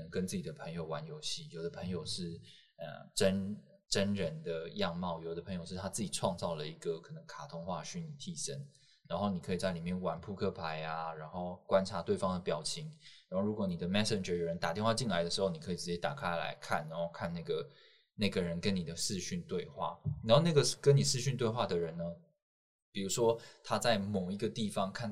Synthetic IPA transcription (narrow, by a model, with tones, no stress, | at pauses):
ə˧˦ŋkə˦nt͡sɹ̩˥˩t͡ɕi˨˩d̪ə˦pʰə˧˥ŋjo˨˧ʊwa˧˥njo˧˥ʊɕi˥˩jo˨˩ʊd̪ə˦pʰə˧˥ŋjo˨ʊʂɻ̩˥˩ | ə̰˨˩ʈ͡ʂə˥n | ʈ͡ʂə˥nɻə˧˦nd̪ə˧jɑ˥˧ŋmɑ˥˩ʊjo˨˩ʊd̪ə˧˩pʰə˧˥ŋjo˨ʊʂɻ̩˥˩t̪ʰa˥t͡sɹ̩˥˩t͡ɕi˨˩ʈ͡ʂʰwɑ˥˧ŋt͡sɑ˥˩ʊlə˩i˧˥ɡə˨kʰɤ˨˩nə˧˦ŋkʰa˨˩t̪ʰʊ˥ŋxwa˥˧ɕy˧˥ni˨˩t̪ʰi˥˩ʂə˥n | ɻa˧˥nxo˥˩ʊni˨˩kʰɤ˧˥i˨˩t͡sa˥˩li˨˩mjɛ˥˩nwa˧˥npʰu˥˧kʰɤ˥pʰa˧˥ɪa˧˦ɻa˧˥nxo˥˩ʊkwa˥nʈ͡ʂʰa˧˥t̪we˥˩ɪfɑ˥ŋd̪ə˨pjɑ˨˩ʊt͡ɕʰi˧˥˦ŋɻa˧˥nxo˥˩ʊɻu˧˥kwɔ˧˩ni˨˩d̪ə˩mɛ˥sə˨nʈ͡ʂə˨˩jo˨˩ɻə˦nt̪a˨˩t̪jɛ˥˧nxwa˥˧t͡ɕi˥˩nla˧˦ɪd̪ə˩ʂɻ̩˧˥xo˥˩ʊni˨˩kʰɤ˧˥i˨˩t͡sɻ̩˧˥t͡ɕjɛ˥t̪a˨˩kʰa˥ɪla̰˧˦ɪkʰa̰˥˩nɻa˧˥nxo˥˧ʊkʰa˥˧nna˥˩ɡə˩ | na˥˩ɪɡə˩ɻə˧˦nkə˦˥ni˨˩d̪ə˩ʂɻ̩˥˧ɕy˥˧nt̪we˥˧ɪxwa̰˥˩a˨˩nxo˥˧ʊna˥˩ɡə˩ʂkə˦ni˨˩ʂɻ̩˥˧ɕy˥˧nt̪we˥˧ɪxwa˥˩d̪ə˩ɻə˧˦nnə˦ | pi˨˩ɻu˧˥ʂwɔ˥t̪ʰa˥t͡sa˥˩ɪmo˨˩ʊi˧˥ɡə˧t̪i˥˩fɑ˦ŋkʰa˥˩n